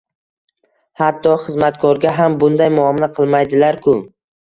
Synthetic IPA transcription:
hat̪ʰːɒχɨzmat̪kʰɒɾɡʲaɦambʊnd̪ajmʊɒmɪnaqʰɨlˠmajd̪ɪlaɾkʰʊ

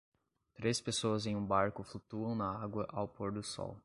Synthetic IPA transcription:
t̪ɾespesoɐzẽj̃ũbaɾkʊflut̪uɐ̃w̃nɐaɡwɐʔawpoɾd̪ʊsɔ̰w

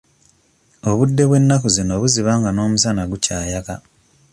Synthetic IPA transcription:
o̞βudːe̞βwe̞nːakuzino̞βuziβaːŋɡano̞ːmusanaɡucaːjaka

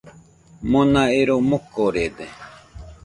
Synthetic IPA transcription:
monaiɾomukːoɾed̪e

